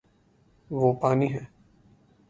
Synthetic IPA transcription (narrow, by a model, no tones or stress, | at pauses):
ʋoːpaːniɦɛː